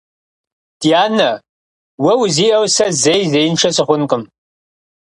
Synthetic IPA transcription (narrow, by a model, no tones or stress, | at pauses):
d̥iaːnɐ | wɐwziːʔɐwsɐzejzejɪnʂʰɐsɨχʷʊnqəm